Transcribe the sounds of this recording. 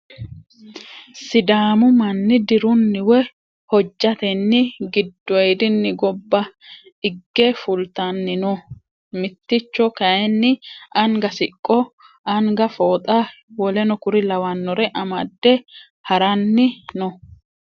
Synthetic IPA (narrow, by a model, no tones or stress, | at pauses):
sɪd̪aːmʊmɐnːɪd̪ɪɾʊnːɪwɛ | hɔd͡ʒʼːɐt̪ɛnːɪɡɪd̪ːɔjd̪ɪnːɪɡɔbːɐ | ɪɡːɛfʊlt̪ɐnːɪnɔ | mɪt̪ːɪt͡ʃːɔkɐjɛnːɪɐŋɡɐsɪkʼːɔ | ɐŋɡɐfoːt̪ʼa | wɔlɛnɔkʊɾɪlɐwɐnːɔɾɛʔɐmɐd̪ːɛ | hɐɾɐnːɪnɔ